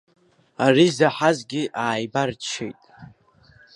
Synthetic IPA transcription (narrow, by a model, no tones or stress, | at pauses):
arizaħazɡʲiɪʔaːjbart͡ʃʰḛjtʼ